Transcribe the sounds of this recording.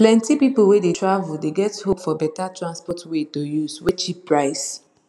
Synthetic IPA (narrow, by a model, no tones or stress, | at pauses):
plɛ̃ntipip̩wedetʰɹavuldeɡɛthopfɔbɛtatʰɹãnspɔtwetojuswet͡ʃipːɹaɪs